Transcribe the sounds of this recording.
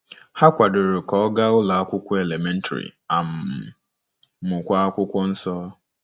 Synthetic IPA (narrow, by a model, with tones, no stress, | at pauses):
ha˦kʷa˨dʊ˨ɾʊ˨kɔ˨˦ɡa˦ʊ˦la˨a˦kʷʊ˦kʷɔ˦e˨le˨me˦n̩˦tʰa̰˨ɾḭ˨a˨m̩˨ | mʊ˨kʷa˦a˦kʷʊ˦kʷɔ˦n̩˦sɔː˦